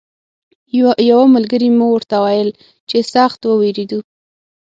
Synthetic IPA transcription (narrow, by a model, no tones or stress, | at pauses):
jawamalɡəɾimowəɾt̪awajəl | t͡ʃesaxt̪wəweɾed̪u